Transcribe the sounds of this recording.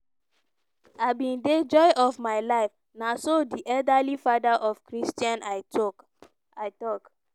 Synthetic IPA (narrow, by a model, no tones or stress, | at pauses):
aɪbĩnded͡ʒɔjʔɔvmaɪlaɪf | nasodiʔɛldalifadaʔɔvkɹistiãna | aɪtɔk